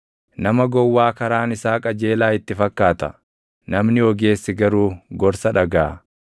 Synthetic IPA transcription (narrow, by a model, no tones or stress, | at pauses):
nɐmɐɡɔwːaːkɐɾaːnɪsaːkʼɐd͡ʒeːlaːɪt̪ːɪfɐkːaːt̪ɐ̰ | nɐmnɪɔɡe̞ːsːɪɡɐɾuːɡɔɾsɐᶑɐɡaː